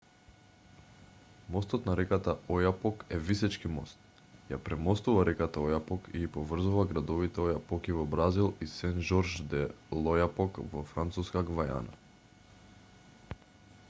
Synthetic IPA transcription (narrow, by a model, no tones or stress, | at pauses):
mɔst̪ɔt̪naɾɛkat̪aɔjapɔkɛvisɛt͡ʃkimɔ̰st̪̚ | japɾɛmɔst̪uvaɾɛkat̪aɔjapɔkiipɔvr̩zuvaɡɾad̪ɔvit̪ɛɔjapɔkivɔbɾazilˠisɛnʒɔɾʒd̪ɛlˠɔjapɔkvɔfɾant̪suskaɡvaja̰na̰